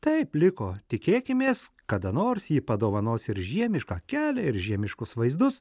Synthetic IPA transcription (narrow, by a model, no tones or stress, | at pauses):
t̪ɐɪplʲɪkoːt̪ʲɪkʲeːkʲɪmʲeːskɐd̪ɐnoːɾsjiːpɐd̪oːʋɐnoːsɪɾʒʲiɛmʲɪʃkɑːkʲæːlʲɛɪɾʒʲiɛmʲɪʃkʊsʋɐɪzd̪ʊs